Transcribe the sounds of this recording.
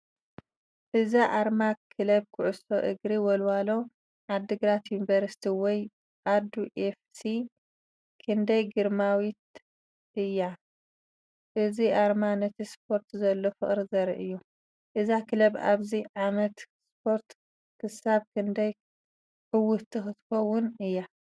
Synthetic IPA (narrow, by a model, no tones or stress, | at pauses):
ʔɨzaʔaɾmakʰɨlɐbkʰʊʕʊsoʔɨɡɾiwɔlwalo̞ | ʕad̪ːɨɡɾat̪junivɐɾsi̥t̪ʰiwɔj | ʔad̪uʔefsi | kʰɨnd̪ɐjɡɨɾmawit̪̚ | ʔɨjːa | ʔɨziʔaɾmanɐt̪ʰispʰo̞ɾt̪zɐlːo̞fɨχʼɾizɐɾʔɨjːu | ʔɨzakʰɨlɐbaβziʕamɐt̪ | spʰo̞ɾt̪ | kʰɨsaβkʰɨnd̪ɐj | ħɨwʊt̪ʰːɨxɨt̪ɨ̥kɐwʊnɨjːa